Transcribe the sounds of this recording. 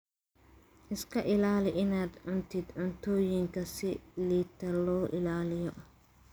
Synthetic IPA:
ʔɪskʰɐʔɪlaːlɪʔɪnaːd̪ʕʊnt̪ʰɪd̪ʕʊnt̪ʰɔːjɪŋkʰɐsɪliːt̪ʰɐlɔːʔɪ̰laːlɪjɔʔ

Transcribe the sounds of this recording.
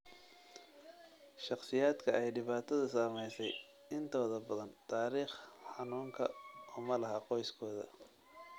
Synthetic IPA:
ʃɑqsɪjaːd̪kʰɐɛjɖɪβaːt̪ʰɐðɐsɐːmɛjsɛj | ɪnt̪ʰɔːðɐbɐðɐnt̪ʰaːɾiːχħɑnuːŋkʰɐɔːmɐlɐɦɐqɔjskʰɔːðɐ̰

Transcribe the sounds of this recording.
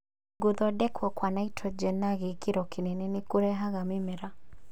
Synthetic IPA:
ɡoðɔdɛkʰwɔkwanaitʰɔd͡ʒɛnaɣekeɾɔkenenenekoɾɛɦaɣamemɛɾa

